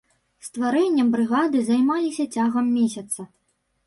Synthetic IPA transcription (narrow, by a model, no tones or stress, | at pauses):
st̪vaɾɛnʲːɐmbɾɨɣad̪ɨzajmalʲisʲɐt͡sʲaɣɐmːʲesʲɐt̪sɐ